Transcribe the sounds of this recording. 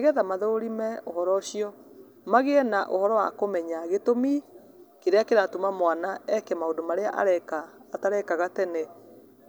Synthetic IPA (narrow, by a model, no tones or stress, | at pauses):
ɣɛðamaðoɾimɛohɔɾɔɕiɔ | maɣenaʔo̰hɔɾɔwa̰komɛɲaɣetomi | keɾeakeɾatumamwanaɛkɛmaodomaɾeaʔa̰ɾɛkaːtaɾɛkaɣatɛne